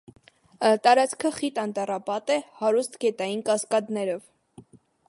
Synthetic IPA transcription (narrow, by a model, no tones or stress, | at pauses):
t̪ɑɾɑt͡skʰəχit̪ɑnt̪ɑrɑpɑt̪ɛhɑɾust̪ʰɡɛt̪ɑjinkɑskɑt̪nɛɾɔv